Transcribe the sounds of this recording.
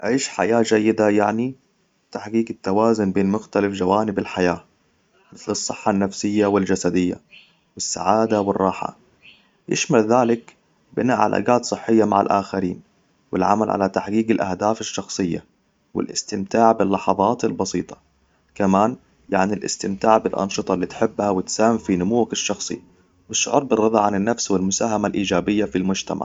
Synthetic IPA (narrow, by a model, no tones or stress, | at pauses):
ʕiːʃħa̰jaːd͡ʒajːɪd̪ajaʕni | t̪aħɡiːɡɪt̪ːawaːzʊnbeːnmʊxt̪alafd͡ʒawaːnɪbɪlħajaː | mɪθlɨsˤːɨħːanːafsɪjːawɪld͡ʒasad̪ɪjːa̰ | wɪsːa̰ʕaːd̪awɪrˤːɑːħa̰ | jɪ̰ʃmalðaːlɪk | bɪnaːʔʕalʔa̰ːɡaːt̪sˤɨħːɪjːama̰ʕa̰lʔa̰ːxaɾiːn | wɪlʕa̰ma̰lʕa̰lat̪aħɡiːɡɪlʔa̰hd̪aːfɪʃːɑxsˤɨjːa̰ | wɪ̰lʔɪ̰st̪ɪmt̪aːʕbɪlːɑħɑðˤɑːt̪ɪlbɑsiːt̪ˤɑ̥ | kamaːn | jaʕnilʔɪ̰st̪ɪmt̪aːʕbɪlʔɑ̰nʃɨt̪ˤɑlːiːt̪ħɪbːhawɪt̪saːhɪmfinʊmuːakɪʃːɑxsˤḭ | wɪʃːʊʕʊɾˤbɪrˤːɑðˤɑʕanɪnːafswɪlmʊsaːɦamalʔiːd͡ʒaːbɪjːafilmʊd͡ʒt̪a̰ma̰ʕ